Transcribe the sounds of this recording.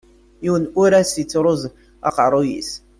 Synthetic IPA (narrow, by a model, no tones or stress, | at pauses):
jiwənuɾæsit͡sːɾˤʊz | ɑ̰qɑɾˤojḭs